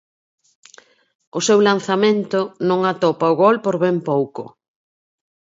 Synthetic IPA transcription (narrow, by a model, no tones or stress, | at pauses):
ʊsewlan̟θamẽnt̪ʊnõŋat̪ɔpaʊɣɔlpoɾβɛmpowkʊ̰